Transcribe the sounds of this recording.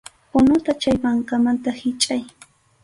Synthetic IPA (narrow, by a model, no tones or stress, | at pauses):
pʊnʊt̪at͡ʃajpaɴkamant̪ahɪt͡ʃʼaj